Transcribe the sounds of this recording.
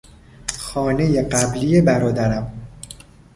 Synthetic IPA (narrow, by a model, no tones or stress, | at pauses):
xɒːne̞jeɢæblijebæɾɒːd̪æɾæm